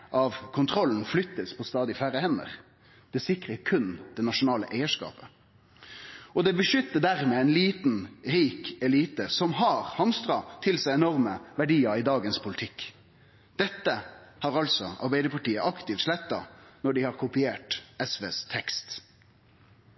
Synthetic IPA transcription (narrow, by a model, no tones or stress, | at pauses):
ʔɑʋkʰʊnt̪ʰʁɔln̩flʏt̪ːəspʰɔst̪ɑːd̪ɪfæɾəhɛnə̰ʁ | d̪̥ɛsɪkʁəkʰʉnd̪̥ɛnɑʂʊnɑːlə̰ʔæɪəʂkɑ̰ːpə̥ | ɔd̪ɛbəʃʏt̪ːəɖæʁmeːɛɪnliːt̪n̩ɾiːkɛliːt̪əsɔmɦɑːɾhɑmst̪ʁɑt̪ʰɪlsæɪɛnɔʁməʋæɖiːəɾɪd̪ɑːɡənspʰʊlɪt̪ʰɪkː | d̪̥ɛt̪ːəhɑʁɑlsɔɑ̰ɾbæɪd̪əpʰɑʈiːəʔɑkt̪ɪft̪ʃlɛt̪ːɑnɔɖɪhɑːʁkʰʊpɪeːʈɛsʋḛːst̪ʰɛkst̪